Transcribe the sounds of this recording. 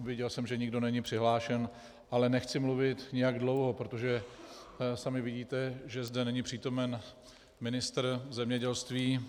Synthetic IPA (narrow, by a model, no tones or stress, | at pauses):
vjɛɟɛlsɛmʒɛɲɪɡdo̞nɛɲɪpr̥ɪɦlaːʃɛn | ʔalɛnɛxt͡sɪmluvɪt̪ɲɪjaɡdlo̞wɦo̞pɾo̞t̪o̞ʒɛ | samɪvɪɟiːt̪ɛʒɛzdɛnɛɲɪpr̝̥iːt̪o̞mɛn | mɪnɪst̪r̩zɛmɲɛɟɛlst̪viː